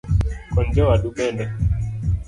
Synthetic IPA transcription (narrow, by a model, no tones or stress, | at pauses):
kɔnd͡ʒɔwaɗuɓɛndɛ